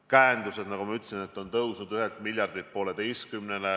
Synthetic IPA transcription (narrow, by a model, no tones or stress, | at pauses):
kæːnd̪use̞d̪nɑɡ̥umɑyt̪ːsinet̪ːˑo̞nt̪ɤwsnud̪yɦelt̪milʲjɑrd̪̥it̪̚po̞ːle̞d̪ejskymnene